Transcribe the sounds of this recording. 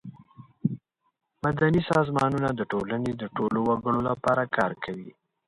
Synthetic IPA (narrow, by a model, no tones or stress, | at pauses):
mad̪anisɑzmɑnunad̪əʈolaned̪əʈolowaɡəɽolapɑɾakʰɑɾkʰawḭ